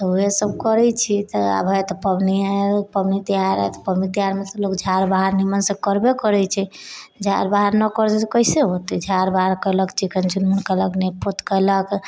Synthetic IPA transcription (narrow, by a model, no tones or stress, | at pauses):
t̪ɔuɦesəb̚kəɾɛt͡ʃʰit̪ɔa̰bʱəjt̪ɔpəbnipəbnit̪iɦaɾɛ̰t̪ɔ̥pəbnit̪iɦaɾmet̪ɔlokd͡ʒʱaɾbaɦaɾnimənsə̃kəɾbekəɾɛt͡ʃʰɛd͡ʒʱa̰ɾbaɦaɾnəkəɾt̪ɛt̪ɔkəiseɦot̪ɛd͡ʒʱaɾbaɦaɾkəjləkt͡ʃikənt͡ʃunmənkələknepot̪kələk